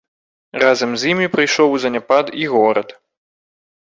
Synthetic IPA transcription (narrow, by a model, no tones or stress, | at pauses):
razɐmzʲimʲipɾɨjʂɔwzɐnʲapad̪iɣɔɾɐ̰t̪